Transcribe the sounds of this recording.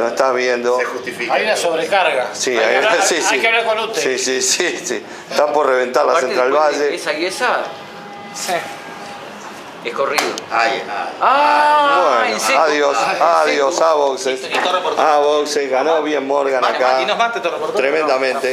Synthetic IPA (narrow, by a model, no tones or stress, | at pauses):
noeht̪aβjend̪oexuht̪ifikajjunasoβɾekaɾɣasiajsikeaβlakolut̪esisisisḭ | et̪apoɾreβent̪aɾlasenɾalβaʒeesajesa | ekoriðoajenaaβwensaðjosaðjosaβokseset̪orpoɾaβokseɣanoβjemmoɾɣanakainomat̪et̪orapot̪ɾemẽnd̪amẽnt̪e